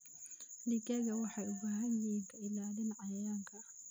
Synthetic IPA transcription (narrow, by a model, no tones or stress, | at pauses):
lɪkɐɣɐwɑħɑjʊbaːɦɐnjɪiːŋkʰɐɪlaːlɪnʕɑjɐjaŋkʰɐ